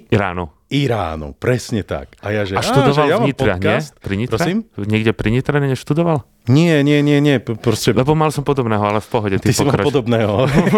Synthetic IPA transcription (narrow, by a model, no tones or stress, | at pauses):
iɾa̰ːnɔ | iɾa̰ːnṵpɾɛsɲɛt̪a̰kajaʒɛaʃt̪ud̪ɔʋalvɲit̪ɾaɦɲɪɛst̪pɾiɲit̪ɾɔɾɛiːmɲɛɡɟɛpɾiɲit̪ɾɛɲɛɲɛʃt̪ud̪ɔʋal | ɲɪɛɲɪɛɲɪɛɲɪɛpɾɔscɛlɛbɔmalsɔmpɔd̪ɔbnɛːɦɔalɛfpɔɦɔɟɛtt̪iiɔmkaɾapɔd̪ɔbnɛːɦɔ